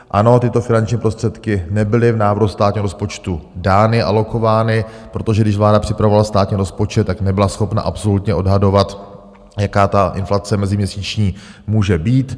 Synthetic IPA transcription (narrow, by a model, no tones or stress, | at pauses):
ʔano̞t̪ɪt̪o̞fɪnant͡ʃɲiːpɾo̞st̪r̥ɛt̪kɪnɛbɪlɪvnaːvɾust̪aːt̪ɲiːɦoɾospo̞t͡ʃt̪udaːnɪʔa̰lo̞ko̞vaːnɪpɾot̪o̞ʒɛɡdɪʃvlaːdapr̥ɪ̥pɾavo̞valast̪aːt̪ɲiːɾospot͡ʃɛt̪ːaknɛbɪlasxo̞pna̰ʔapso̞lut̪ɲɛʔo̞dɦado̞vat̪ | jakaːt̪aʔɪ̰nflat͡sɛmɛzɪmɲɛsiːt͡ʃɲiːmuːʒɛbiːt̪